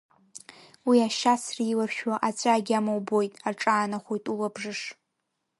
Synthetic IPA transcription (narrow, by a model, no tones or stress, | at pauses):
wiaʃasriːlaʃᶣwaʔat͡sʷʼaːɡʲamawbo̞jtʼaʈ͡ʂʼaːnaχʷojtʼulabʐɨʂ